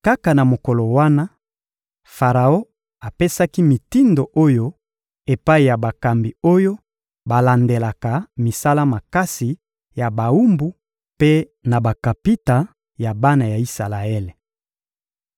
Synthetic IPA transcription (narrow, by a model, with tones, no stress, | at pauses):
ka˦ka˨na˨mo˨ko˨lo˨wa˦na˦ | fa˨ʁa˨o˦ | a˨pe˦sa˦ki˦mi˨ti˦ndo˨ʔo˦jo˦ | e˨pa˦i˨ja˨ba˨ka˨mbi˨o˦jo˦ | ba˨la˨nde˨la˨ka˨mi˨sa˦la˦ma˨ka˦si˨ | ja˨ba˨u˦mbu˨˦ | pe˦ | na˨ba˨ka˨pi˦ta˨ | ja˨ba˦na˨ja˨i˦sa˨la˨e˦le˨